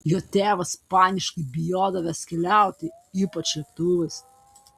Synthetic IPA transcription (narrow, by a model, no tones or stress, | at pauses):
joːt̪ʲeːʋɐspɑːnʲɪʃkɐɪbʲɪjoːd̪ɐʋʲɛskʲɛlʲæˑʊt̪ʲɪ | iːpɐt͡ʃʲlʲɛkt̪uʋʲɛs